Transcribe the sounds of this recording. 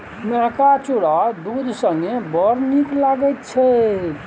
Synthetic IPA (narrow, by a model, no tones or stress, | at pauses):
meɦkat͡ʃuɽad̪ud̪ʱsə̃ŋɡebəɾniklaɡɛt̪t͡ʃʰɛ